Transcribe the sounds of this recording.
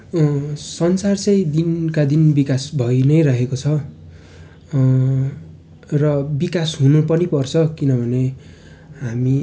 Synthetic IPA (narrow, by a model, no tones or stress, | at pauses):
sʌnsart͡sʌjd̪inkad̪inbikasbʱʌjnʌjrʌɦekot͡sʰʌ | rʌbikasɦunupʌnipʌrt͡sʰʌkinʌbʱʌne | ɦami